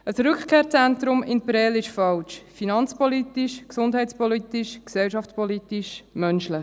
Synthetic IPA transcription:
əsɾʏkχkʰeːɾt͡sɛnt̪ɾʊmɪnpəɾɛlɪʃfɑlt͡ʃfinɑnt͡spɔlit̪iʃksʊndɦɛɪt͡spɔlitiʃksɛlʃɑftt͡spɔlit̪iʃmœnʃləχ

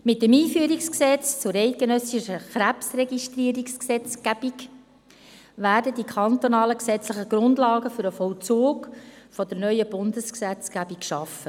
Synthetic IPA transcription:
mɪtdemiːfyəɾiksksɛt͡st͡sʊɾɛɪt̚ɡ̥enœsiʃəχɾæpsrɛɡiʃtriːəɾiksksɛt͡sɡ̥æb̥iɡ | væːɾdədikʰɑnt̪onɑːləksɛt͡sləχəɡ̥ɾʊndlɑːɡəfʏɾəfɔlt͡soːkfɔd̥̪əɾnœʏəb̥ʊndəsksɛt͡sɡ̥æbikʃɑfə

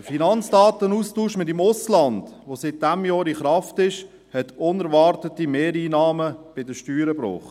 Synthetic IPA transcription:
əfinɑnt͡sd̥ɑːtənuːstuːʃmɪtɪmʊslɑnd̥ʋosɪt̚d̥ɛmjɔːɾiχɾɑftɪʃ | hɛtʊnɛɾvɑɾtətimeːɾiːnɑːməb̥ɪdəʃtyːɾəbɾɔ̰χt

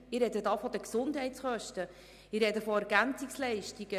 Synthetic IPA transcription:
ɪɾɛd̪ədɑːfɔd̪əksʊndhɛɪtsχœʃtə | ɪrɾɛd̪əfɔɛɾɡænt͡sikslɛɪʃtiɡ̥ə

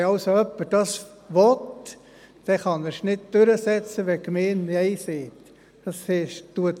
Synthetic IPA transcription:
ɑʊsoœpːəɾd̥ɑs | ʋɔt | d̥ɛχɑnɛɾʃnɪt̚d̥øɾəsɛt͡səʋɛkmeːnnɛɪseːt | d̥ɑsheʃtuət

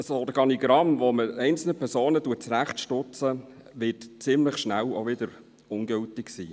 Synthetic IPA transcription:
əsoːd̪əɡɑniɡɾɑmʋoməɛɪnt͡sl̩nəpʰɛɾsoːnətuət̚t͡sɾæχtʃtʊt͡sə | ʋɪːtt͡sɪmləχʃnælo̰ʋɪd̪əɾ | ʊnɡʏltɪksḭː

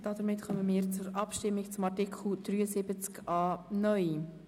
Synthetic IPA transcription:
d̥ɑd̥̪əɾmɪtχœməmɪːɾt͡sʊɾʔɑpʃtɪmːɪkt͡sʊmɑrtikʰl̩ˠd̪̥ɾyːəsɪbət͡skɑːnœʏ

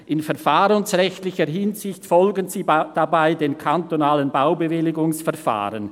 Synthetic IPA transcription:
ʔɪnfɛɐfaːʁənsʁɛçtlɪçəɦɪnzɪçtfɔlɡənziːd̥abaɪdeːnkʰantonaːlənbaʊbəvɪlɪɡʊŋsfɛʁfa̰ːʁən

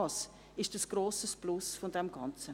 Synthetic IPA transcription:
s | ɪʃd̥əsɡ̥ɾoːsəsplʊsfɔndɛmɡɑnt͡sə

